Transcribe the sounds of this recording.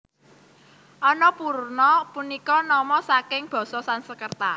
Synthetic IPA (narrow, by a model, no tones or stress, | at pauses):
ʔɔnɔpuɾnɔpunikɔnɔmɔsakɪŋb̥ɔ̤sɔsansəkərt̪a